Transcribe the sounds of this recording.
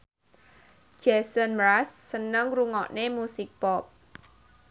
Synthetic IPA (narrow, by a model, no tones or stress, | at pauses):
d͡ʒ̥ɛsənmɾasːənəŋruŋɔʔnemusɪk̚pɔp̚